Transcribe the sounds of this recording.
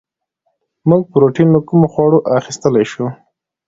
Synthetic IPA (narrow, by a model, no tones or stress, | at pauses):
muɡ̚pəɾoʈinləkʊmoxwɑɽoʔaxist̪əlajʃu